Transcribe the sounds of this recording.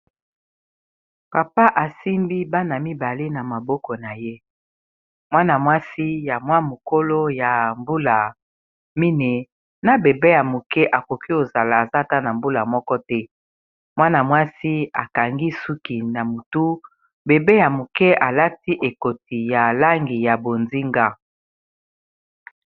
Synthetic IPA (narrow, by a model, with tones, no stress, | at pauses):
pa˨pa˦ʔa˨si˦mbi˦ba˦na˨mi˦ba˨le˦na˨ma˨bɔ˦kɔ˨na˨je˦ | mwa˦na˨mwa˦si˦ja˨mwa˦mo˨ko˦lo˦ja˨mbu˦la˨ | mi˦ne˨ | na˨be˨be˦ja˨mu˨kɛ˦ʔa˨ko˨ki˦o˨za˨la˨a˨za˦ta˦na˨mbu˦la˨mɔ˦kɔ˦tɛ˦ | mwa˦na˨mwa˦si˦a̰˨ka˨ŋɡi˦su˦ki˨na˨mu˨tu˦ | be˨be˦ja˨mo˨kɛ˦a˨la˦ti˦ʔe˨ko˨ti˨ja˨la˦ŋɡi˨ja˨bo˨nzi˦ŋɡa˦